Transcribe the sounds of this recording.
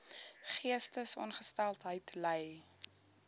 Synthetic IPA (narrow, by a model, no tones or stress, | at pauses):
χiəstəsɔ̰nχəstælˠtɦəjtləj